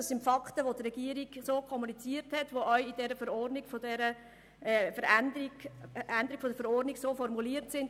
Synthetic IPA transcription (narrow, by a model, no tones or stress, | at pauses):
ɑsːɪntfɑkχtəʋodrɛɡ̥iəɾiɡsoːkʰχɔmunit͡siːəɾthɛtʋoʔœʏid̥ɛɾəfəɾɔrdniɡ̥fodɛɾə | ɛːfəɾændiændəɾiɡ̥fodəɾfəɾɔrdniɡsoːfɔrmuliːətsɪnd